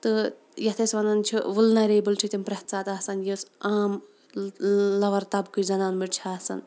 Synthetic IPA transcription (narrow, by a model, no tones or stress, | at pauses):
t̪ɨ | jɐt̪ʰesʋɐnant͡ʃʰiʋɨlnɐɾebɨlt͡ʃʰit̪ʲimpɾɐht̪t͡saːt̪aːsɐnjosaːm | lɐʋɐɾt̪ɐbkɨzɐnaːnmiʈt͡ʃʰiaːsɐ̰n